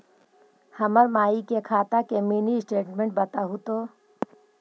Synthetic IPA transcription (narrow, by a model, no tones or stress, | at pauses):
hɐməɾmaːikekʰaːt̪akemiːnisʈeːʈmẽɳʈ̚bɐt̪aɦut̪oː